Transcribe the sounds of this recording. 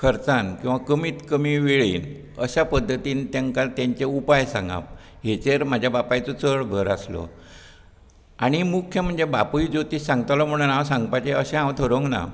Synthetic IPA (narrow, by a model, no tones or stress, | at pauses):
kʰəɾt͡sankĩw̃ʋakəmiːt̪kəmiːʋeɭḭːn | əɕapəd̪ʱːət̪iːnt̪jaŋkat̪jaɲt͡ɕeupajsãŋɡa̰p̚ | ɦet͡ɕeɾmad͡ʑʱjabapajt͡sɔt͡səɭbʱəɾaslo̰ | aɽ̃imukʰːjəm̤əɳd͡zebapujd͡zot̪isãŋɡt̪lɔm̤əɽ̃unãwsãŋɡpajt͡ɕeəɕẽɦãwt̪ʰəɾoŋɡna̰